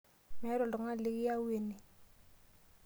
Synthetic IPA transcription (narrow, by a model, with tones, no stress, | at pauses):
mɛ˨˦ɾɔ˨lɔ˨ŋa˦lɪ˦ki˦ja˦we˨ni˨